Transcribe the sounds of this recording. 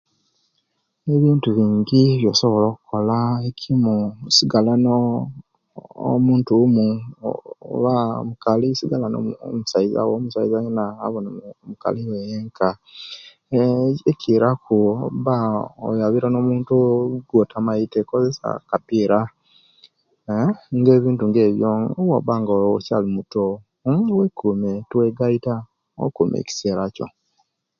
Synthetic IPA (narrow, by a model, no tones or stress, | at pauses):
eβiːntuβiːŋɡiβjo̞soβo̞loːku̥ko̞laekʰimusiɡalano | o̰muːntumu | βamukalisiɡalano̰musaiza̰womusaizajena̰ːβonamuka̰liwejeŋkʰa | ecʰiɾakuβao̰jaβiɾanomuːntuɡwotamaitekozesa̰kapiːɾa | ŋɡeːβiːntuŋɡe̞ːβjoŋowaβaŋɡocalimuto | wekumetweɡaita | o̰kumḛci̥seːɾaco̰